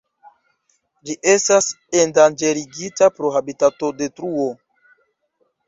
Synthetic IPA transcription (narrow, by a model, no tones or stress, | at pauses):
d͡ʒiʔe̞stas | endand͡ʒe̞ɾiɡitapɾoɦabitato̞de̞tɾuo